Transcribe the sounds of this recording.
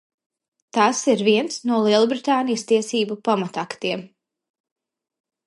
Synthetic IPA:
t̪asiɾviɛnsnuɔlˠiɛlˠubɾit̪aːnijst̪iɛsiːbupamat̪akt̪iɛm

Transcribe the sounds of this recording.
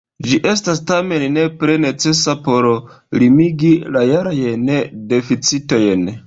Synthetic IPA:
d͡ʒiʔe̞stastame̞nne̞pɾe̞ne̞t͡se̞sapo̞ɾ | limiɡilajaɾajnede̞fit͡sito̞jn

